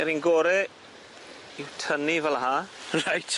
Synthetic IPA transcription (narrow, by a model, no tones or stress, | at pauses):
ɛɾinɡoːɾɛ | iwtʰənivɛlˠaɦaːrajt